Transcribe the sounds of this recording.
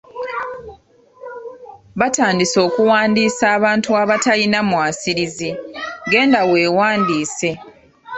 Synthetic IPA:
βataːndiso̞ːkuwaːndiːsaːβaːntuaβatalinamwaːsiɾiziɡe̞ːndawe̞ːwaːndiːse̞

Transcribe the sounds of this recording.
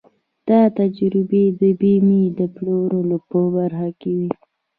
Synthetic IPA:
d̪̥ɑt̪ad͡ʒɾɪbed̪əbimid̪əploɾolopobaɾxakewi

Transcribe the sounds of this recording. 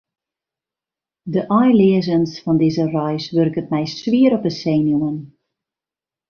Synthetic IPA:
dəʔɔjlɪəzənsfɔndizərɔjsʋørkətmɛjsʋiəɾɔpəseːnjumən

